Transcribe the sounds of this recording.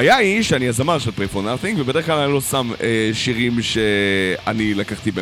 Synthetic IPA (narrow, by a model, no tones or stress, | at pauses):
ajaiʃeaniazamaʁʃelpʁefoʁnaʁθiŋɡvebe̞dχklalanilosameʃiʁimʃea̰nilakaχt̪ibe